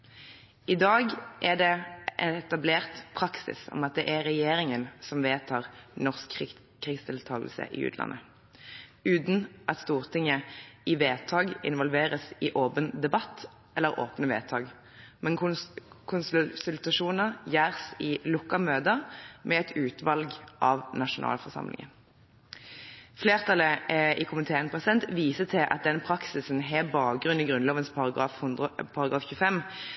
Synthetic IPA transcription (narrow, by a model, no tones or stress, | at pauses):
ʔɪd̪ɑːɡʔɛʁd̪ɛʔɛɛt̪ɑbleːʁt̪pʰʁɑksɪ̰sɔ̰mɑt̪̚d̪ɛʔɛʁɛjeːɾɪŋənsɔmʋeːt̪ʰɑːʁnɔʁsk | kʰʁɪːkst̪ʰɪlt̪ʰɑːɡəlsə̰ʔɪ̰ːʉ̰ːt̪lɑ̰nʔə | ʉːt̪n̩ʔɑt̪st̪uːʁt̪ʰɪŋəɪʋeːt̪ʰɑːɡɪ̰nʋɔlʋeːʁəsɪʔoːpənd̪ɛbɑt̪ː | ɛlːəʁo̰ːpnəʋḛːt̪ʰɑːɡ | mɛnkʰʊnssʉlt̪ɑʂuːnəʁjæːʁsɪlʊkːɑmøːd̪əʁmɛɛt̪ʰʉːt̪ʋɑlɡʔɑːʋnɑʂʊnʔɑ̰ːlfɔʁsɑ̰mlɪ̰ŋə̰n | fleːʁt̪ʰɑləɪkʰʊməɪt̪ʰeːɛnpʰʁɛsɛnt̪ʋiːsət̪ʰɪlʔɑ̰t̪̚d̪ɛnpʰʁɑksɪsnɦeːbɑːk̚ɡʁʉniːɡʁʉnloːʋənspɑɑːfhpʰɑʁɑɡʁɑːfçʉəfɛm